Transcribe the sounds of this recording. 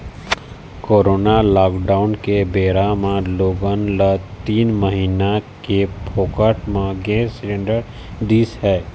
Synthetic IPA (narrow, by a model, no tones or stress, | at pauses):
koːɾoːnalaːkɖaːʊnkebeːɾamãloːɡənlət̪iːnməɦiːnakepʰoːkəʈmãɡɛːsɾẽɳɖəɾ | d̪iːshɛː